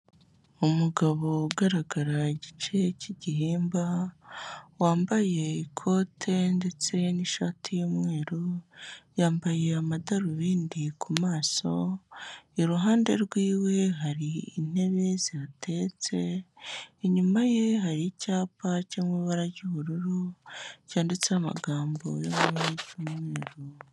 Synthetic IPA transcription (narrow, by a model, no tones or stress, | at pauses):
umuɡaβo̞ɡaɾaɡaɾaɟit͡ʃe̞ciɟihiːmba | waːmbaje̞ikʰo̞ːtʰe̞nde̞t͡se̞niʃaːtʰijomŋe̞ːɾujaːmbaje̞amadaɾuβiːndikʰumaːso̞ | iɾuɦaːnde̞̰ɾɡwiːwe̞ɦaɾiḭn̥e̞βe̞ziɾatʰe̞ːt͡se̞ | ɲumaje̞ɦaɾicaːpacemwiːβaɾaɾɟuβuɾuɾucaːndit͡seama̰ɡaːmbo̰jomweeɟumweeːɾo